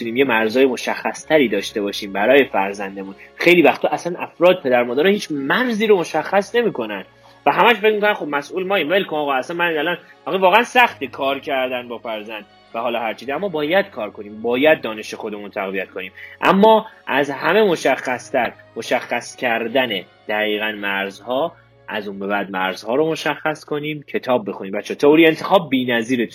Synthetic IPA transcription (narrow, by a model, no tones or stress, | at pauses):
uniːmjemæɾzɒːjemo̞ʃæxːæst̪ʰæɾiːd̪ɒːʃt̪e̞bɒːʃiːmbæɾɒːje̞fæ̰ɾzænd̪emunxejliːvæxt̪ʰːoʔæsænʔæfɾɒːd̪̚pʰe̞d̪æɾmɒːd̪æɾɒhiːt͡ʃʰmæɾziːɾomo̞ʃæxːæsne̞miːkʰo̞næn | væɦæmæʃfe̞cmikonænxob̚mæsʔuːlmɒːiːmmelkʰomɒːɣɒːæsænmænælɒnʔɒxevɒːɣeænsæxt̪ekʰɒːɾcʰæɾd̪ænbɒːfæɾzænd̪̥ | væhɒːlɒːɦæɾt͡ʃʰiːzæmːɒːbɒːjæd̪̥kʰɒːɾkʰo̞niːmbɒːjæd̪̚ːɒːne̞ʃexo̞d̪e̞munt̪ʰæɣvijæt̪̚ko̞niːmʔæ̰mːɒːʔæzhæmemo̞ʃæxːæst̪ʰæɾmo̞ʃæxːæscʰæɾd̪æne | d̪̥æɣiːɣænmæɾzhɒː | ʔæ̰zunbe̞bæd̪̚mæɾzhɒːɾomo̞ʃæxːæskʰo̞niːmcʰe̞t̪ʰɒːb̚ːe̞xuniːmbæt̪t͡ʃʰːeɛːt̪ʰeoɾient̪ʰe̞xɒːb̚ːiːnæziːɾet̪